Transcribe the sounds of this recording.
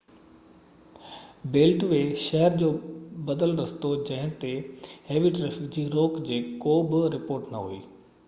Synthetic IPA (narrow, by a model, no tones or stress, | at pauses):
beːlʈʋeːʃɛɦəɾd͡ʑoːbɐd̪əlɾɐst̪od͡ʑɐ̃ɦɪ̃t̪eɦeːʋɪʈɾefjud͡ʑiɾoːkd͡ʑeːkoːbɪɾɪpoːɾʈnɐɦṵḭː